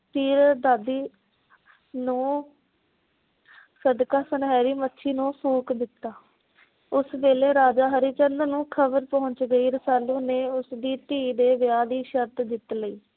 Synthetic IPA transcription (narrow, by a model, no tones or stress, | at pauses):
t̪iːɾd̪aːd̪iː | nũː | səd̪kaːsənɦɛːɾiːmətːʃʰiːnũːpʰuːkd̪ɪt̪ːaː | ʊsʋeːleːɾaːd͡ʒaːɦəɾiːt͡ʃənd̪ənũːkʰəbəɾpɔɦʊ̃ɲt͡ʃɡəiːɾəsaːlũːneːʊsd̪iːt̪iːd̪eːʋjaːd̪iːʃəɾt̪d̪ɪt̪ləiː